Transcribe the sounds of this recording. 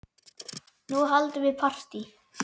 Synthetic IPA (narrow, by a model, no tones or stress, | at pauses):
nuɦalt̪ʏvɪpʰar̥t̪i